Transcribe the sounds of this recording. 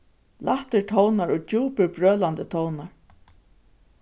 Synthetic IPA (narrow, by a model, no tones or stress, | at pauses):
lʔaht̪ɪɹt̪ʰɔwnaɹɔd͡ʒuːpɪɹbɹøːlant̪ət̪ʰɔwnaɹ